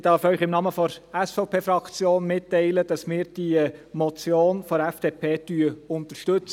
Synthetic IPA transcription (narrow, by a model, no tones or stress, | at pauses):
d̥ɑːfœʏχɪmnɑːməfɔɾɛsfɔʊpʰeːfɾɑkt͡sjoːnmɪtːɛɪləd̥ɑsmɪːɾd̥iəmɔt͡sjoːnfɔɾɛfd̥epʰeːtyəʊnt̪əɾʃtɵt͡s